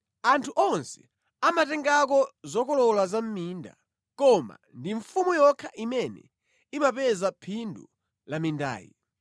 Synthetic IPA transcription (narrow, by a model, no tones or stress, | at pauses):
antʰuʔɔnsɛ̥ | amatɛŋɡak̬ɔzɔkɔlɔlwazam̩miːnda̰ | kɔma̰ndiɱfumujɔkʰaʔimɛnɛ̰ | imapɛzapʰindu | laminda̰ːjḭ